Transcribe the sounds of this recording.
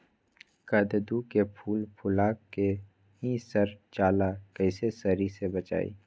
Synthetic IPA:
kɐd̪d̪ukepʰuːlpʰʊlaːkːe | ɦĩsɐɾt͡ʃaːlakəɪsesɐɾisebɐt͡ʃa̰ːḭː

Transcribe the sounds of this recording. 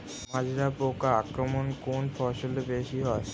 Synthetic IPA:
mãd͡ʑɾapokaakɾomonkonfʰɔʃolebeʃiɦɔe

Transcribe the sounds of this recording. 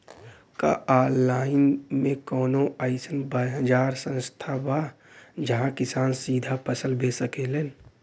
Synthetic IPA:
ka̰aːɾlaːɪnmẽkɔːnoaɪsənbaɦəd͡ʒaːɾsə̃nst̪ʰaba | d͡ʒəɦãkɪsaːnsiːd̪ʱapəsəlbʱesəkelen

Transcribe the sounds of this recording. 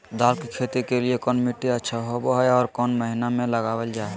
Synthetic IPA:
d̪aːlkikʰeːt̪ikeliekɔːnmɪʈːiətːʃʰaɦoboɦɛɔːɾkɔːnməɦinamẽləɡaːwəld͡ʒaːɦ

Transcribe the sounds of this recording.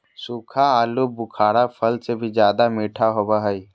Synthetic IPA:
suːkʰaaːlubʊkʰaːɽapʰəlsebʱid͡ʒjaːd̪amiːʈʰaɦoːbaɦəi

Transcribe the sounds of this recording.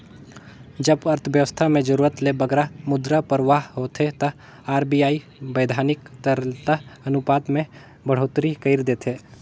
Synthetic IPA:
d͡ʒəbɐɾt̪ʰəʋjəʋəst̪ʰamẽd͡ʒəɾuːɾət̪lebəɡɾamʊd̪ɾapəɾʋaːɦɦoːt̪ʰet̪ɐ | aːɾbijaːi | bəːd̪ʱaːnɪkt̪əɾt̪əɐnʊpaːt̪mẽ | bəɽ̤oːt̪ɾikəɪɾd̪eːt̪ʰeː

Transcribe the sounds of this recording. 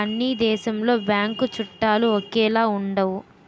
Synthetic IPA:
ɐnːid̪ɛːʃɐmlo̞ːbjaːŋkut͡ʃuʈːaːluɔkɛːlaːuɳɖɐwu

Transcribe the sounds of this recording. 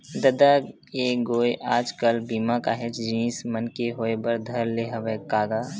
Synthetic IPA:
d̪ɐd̪a | eːɡoːjʔaːd͡ʒkəlbiːmakaɦet͡ʃd͡ʒĩːsmənkeɦoːebəɾd̪ʱɐɾleːɦɐʋekaːɡaː

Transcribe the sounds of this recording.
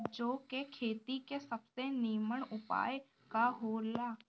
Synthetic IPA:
d͡ʒoːkekʰeːt̪ikesɐbseniːməɽʊpa̰ːj | kaɦoːlaː

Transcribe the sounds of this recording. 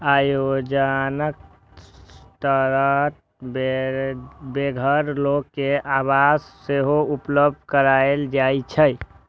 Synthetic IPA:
ajod͡ʒanək̚ | t̪əɾət̪̚ | be | beɡʱəɾlokːeʔabasːeɦoupləb̚d̪̚ʱkəɾaeld͡ʒajt͡ʃʰəj

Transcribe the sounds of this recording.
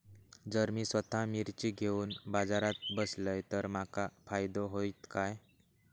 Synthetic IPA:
d͡zəɾmiːsʋət̪ʰamiɾt͡ɕiːɡʱeuːnbad͡zaɾat̪̚bəsləjt̪əɾmakafajd̪oɦoit̪kaj

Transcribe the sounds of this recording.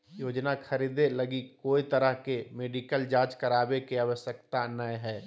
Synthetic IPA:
joːd͡ʒnaxʰɐɾiːd̪elɐɡikoːit̪ɐɾəɦkemeːɖiːkəld͡ʒaːd͡ʒkɐɾaːbekeaʋəʃjək̚t̪aənːaːeɦɛː

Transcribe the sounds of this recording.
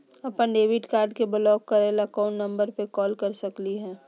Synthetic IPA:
ɐpənɖeːʋɪʈkaːɾɖkebəlɔːkːɐɾelakaːnːɐ̃mbəɾpekɔːlkɐɾsɐkliɦɛ̃ː

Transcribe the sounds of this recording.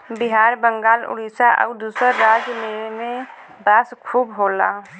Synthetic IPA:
bɪɦaːɾbə̃ŋɡaːlʊ̰ɽiːsaʔə̰ːd̪uːsəɾːaːd͡ʒmemẽ | baːskʰuːbɦoːlaː

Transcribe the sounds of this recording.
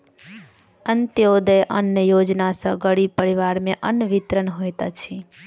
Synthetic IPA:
ənt̪jod̪əjʔənjəjod͡ʒnasə̃ɡəɽipəɾiʋaɾmeʔənəʋit̪ɾənɦojt̪ət͡ʃʰi

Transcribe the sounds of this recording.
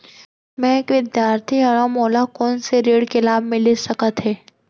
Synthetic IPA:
mɛ̃ekʋɪd̪jaːɾt̪ʰiɐɽamoːlakɔːnseɾeːɽkelaːb̚mɪlesɐkət̪ɦɛː

